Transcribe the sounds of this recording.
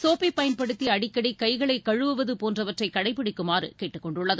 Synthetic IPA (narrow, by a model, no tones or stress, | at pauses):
soːpipɐjɪnpɐɽɯt̪ːiɐɐɽɪkːɐɽikɐɪɣɐɭɐɪkːɐɻɯʋɯʋɐðɯpoːndrɐʋɐʈrɐɪkːɐɽɐɪpːɪɽɪkːɯmaːɾɯkeːʈːɯkːɔɳɖʊɭːɐðɯ